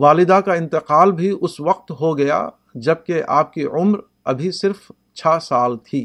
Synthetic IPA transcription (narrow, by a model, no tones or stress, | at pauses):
ʋaːlɪd̪akaɪ̃nt̪ɪqaːlbʱiʔʊsʋɐq̚t̪ɦoɡɐja̰ | d͡ʒɐb̚keʔa̰ːp̚kiʊmɾ | ɐ̰bʱisɪɾf | t͡ʃʰaːsaːlt̪ʰiː